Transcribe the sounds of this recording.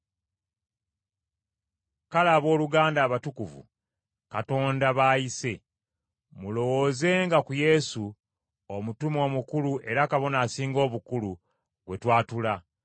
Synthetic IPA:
kalaβo̞ːluɡaːndaːβatukuvṵ | kato̞ːndaβaːjise̞ | mulo̞wo̞ːze̞ŋɡakuje̞su | omutumo̞ːmukuluʔe̞ɾakaβo̞naːsiːŋɡo̞ːβukulu | βwe̞twaːtula

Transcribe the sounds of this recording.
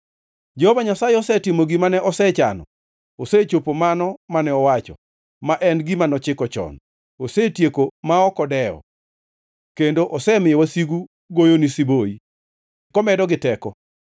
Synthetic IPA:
d͡ʒɛhovaɲasajeɔsɛtɪmoɡimanɛʔɔsɛt͡ʃa̰nɔ̰ | oset͡ʃopomanɔmanɛɔwat͡ʃɔ̰ | maʔɛnɡimanɔt͡ʃɪkɔt͡ʃɔ̰n | osetjekomaɔkɔdɛɔ̰ | kendoʔɔsɛmɪɛwasiɡu | ɡojonisiboi | kɔmɛdɔɡɪtɛkɔ

